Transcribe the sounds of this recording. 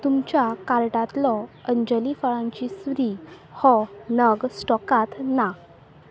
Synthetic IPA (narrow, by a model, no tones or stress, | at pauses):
t̪umt͡ɕjakaɾʈat̪lɔəɲd͡ʑəlifəɭãɲt͡ɕisʋɾihɔnəɡsʈɔkat̪na